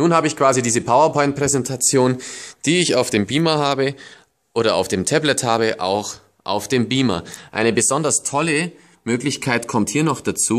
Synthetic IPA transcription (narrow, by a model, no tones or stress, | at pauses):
nuːnhaːbəɪçkv̥aːzidiːzəpʰaʊɐpʰɔʏ̃nt̚pʁ̥ɛzɛntʰat͡sjoːnd̥iːɪçaʊfd̥eːmbiːmɐhaːbə | ʔoːɾɐa̰ʊfd̥eːmtʰɛblɛthaːbəʔa̰ʊx | ʔa̰ʊfd̥eːmbiːmɐ̰ʔa̰ɪnəbəzɔndɐstʰɔlə | møːklɪçkʰaɪtkʰɔmthiːɐnɔχd̥at͡suː